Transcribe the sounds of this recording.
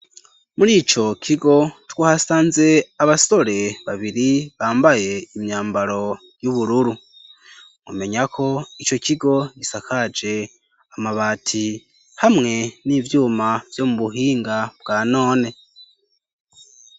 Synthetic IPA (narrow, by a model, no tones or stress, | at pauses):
muɾiːt͡ʃo̞kʰiɡo̞twahasaːnze̞aβaso̞ɾe̞βaβiɾiβaːmbaje̞imɲaːmbaɾo̞ | juβuɾuɾu | ŋṵme̞ɲakʰo̞it͡ʃo̞ciɡo̞ɟisakʰad͡ʒe̞ | amaβaːtʰi | hamŋe̞nivjuːmavjo̞muβuɦiːŋɡabɡaːno̞ːne̞